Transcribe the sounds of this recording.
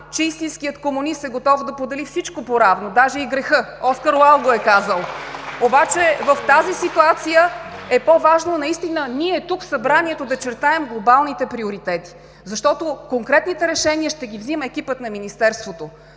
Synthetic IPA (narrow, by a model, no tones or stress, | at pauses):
t͡ʃɛist̪ĩnskʲijət̪komʊnist̪ɛɡot̪ɔvd̪ɐpod̪ɛlifsit͡ʃkopoɾavnod̪aʒɛiɡɾɛxɤɔskəɾlˠalˠɡoɛkazəlˠobat͡ʃɛvəft̪azisit̪uat̪sijəɛpovaʒnonɐist̪inəniɛt̪ukfsɐbɾaniɛt̪od̪ɐt͡ʃɛɾt̪aɛmɡlˠobalˠnit̪ɛpɾioɾit̪ɛt̪i̥ | zɐʃt̪ɔt̪okoŋkɾɛt̪nit̪ɛɾɛʃɛniəʃt̪ɛɡivziməɛkipət̪nɐminist̪ɛɾst̪vot̪o